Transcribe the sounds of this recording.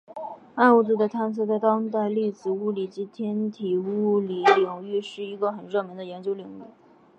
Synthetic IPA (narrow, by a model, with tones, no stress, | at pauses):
a˥˧nu˥˩t͡su˥˩d̪ə˨t̪ʰa˥nt͡sʰɤ˥˧t͡sa˥˩ɪt̪ɑ˥ŋt̪̬a˥˧ɪli˥˩t͡sɹ̩˨˩u˥˩li˨˩t͡ɕi˧˥t̪ʰjɛ˥nt̪ʰi˨˩u˥˩li˨˩ljʊ˨˩ŋy˥˧ʂɻ̩˥˩i˧˥ɡə˧xə˨˩nɻɤ˥˩mi˧˥ŋd̪ə˨˧jɛ˧˥nt͡ɕjo˥ʊli˨˩ŋy˥˩